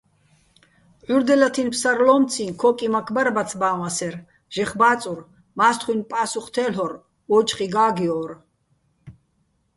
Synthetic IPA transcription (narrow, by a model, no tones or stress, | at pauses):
ʕuɾd̪ɛlat̪ʰinpʰsaɾlɔmt͡sʰinkʰɔkʼimakʰbaɾbat̪t͡sʰbaːwasɛɾ | ʒ̥ɛχbaːt͡sʼur | maːst̪ʰχwinpʼaːsuχt̪ʰɛlɔɾ | ɔt͡ʃχiɡaːɡiɔːɾ